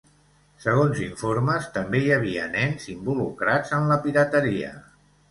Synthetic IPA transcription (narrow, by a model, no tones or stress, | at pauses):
səɣ̞onziɱfoɾməst̪əmbejəβ̞iənɛnzimbulukɾad͡zənləpiɾət̪əɾiə̰